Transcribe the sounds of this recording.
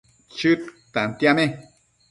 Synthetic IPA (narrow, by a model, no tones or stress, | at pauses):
t͡ʃɨt̪t̪ant̪jamẽ